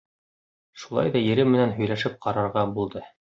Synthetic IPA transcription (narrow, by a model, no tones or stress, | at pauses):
ʃulˠɑ̰jðɑjɘ̆ɾɘmɘ̆nænɦɵ̆jlæʃɘp̚qɑɾɑɾʁɑbulˠd̪ɤ